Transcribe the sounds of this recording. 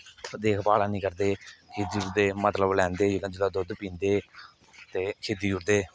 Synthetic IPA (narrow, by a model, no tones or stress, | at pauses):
d̪eːkʰpaːɽaːnĩːkəɾd̪eːkʰeːd̪iːʊɾd̪eːmət̪ləblɛ̃ːnd̪eːd͡ʒɪlãd͡ʒɪlaːd̪ʊd̪pĩːnd̪eː | t̪eːkʰeːd̪iːjʊɾd̪eː